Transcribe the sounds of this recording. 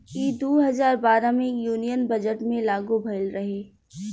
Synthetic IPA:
kid̪oːɦɐzaːɾbaːɾãmẽjuːnijənbɐd͡ʒəʈmẽlaːɡobʱɐlɾɐɦeː

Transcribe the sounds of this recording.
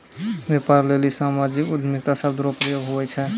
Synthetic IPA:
bepaɾlelisamad͡ʒikud̪ʱmik̚t̪asəb̚d̪uɾopɾijoɡɦuɛt͡ʃʰɛ

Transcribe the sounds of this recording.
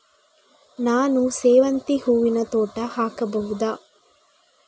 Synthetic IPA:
naːnuseːʋɐnt̪ihuːʋinɐt̪oːʈːaːhaːkɐbɐɦud̪aː

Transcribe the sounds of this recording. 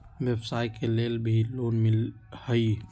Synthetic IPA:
ʋebsaːjkeleːlbʱiloːnmɪlhəi

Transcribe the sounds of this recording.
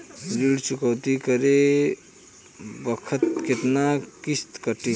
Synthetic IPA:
ɾiɽt͡ʃukəwt̪ikəɾe | bəkʰət̪ket̪nakist̪kəʈi

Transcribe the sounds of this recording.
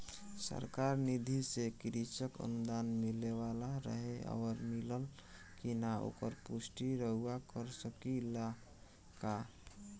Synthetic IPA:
sə̰ɾkaɾnid̪ʱisekiɾit͡ʃəkə̰nud̪anmilebalaɾə̰ɦea̰ɾmiləl | kinao̰kəɾpusʈiɾəɦuakəɾsəkila | ka

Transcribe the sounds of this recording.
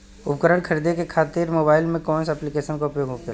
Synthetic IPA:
ʊpkəɾəɽ̃kʰəɾid̪ekekʰaːt̪ɪɾmoːbaːɪlmẽkɔːnsɛplɪkeːʃənkoʊpjoːɡɦoke

